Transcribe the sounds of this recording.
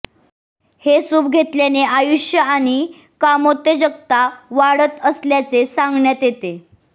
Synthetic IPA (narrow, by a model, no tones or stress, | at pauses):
hesuːbɡʱet̪ljaneajuʂjəaɽ̃i | kamot̪ed͡ʑəkt̪aʋaɽət̪əsljat͡sesãŋɡɳjat̪jet̪e